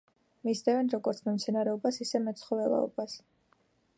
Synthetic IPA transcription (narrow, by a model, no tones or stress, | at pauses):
misd̪ɛvɛnɾɔɡɔɾt̪sʰmɛmt̪sʰɛnaɾɛɔbasisɛmɛt̪sʰχɔvɛlˠa̰ɔ̰bas